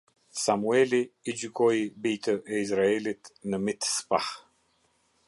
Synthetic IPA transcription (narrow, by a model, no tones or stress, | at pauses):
samuɛliid͡ʒykɔjbijt̪ʰəʔɛizɾaɛlit̪nəmit̪spah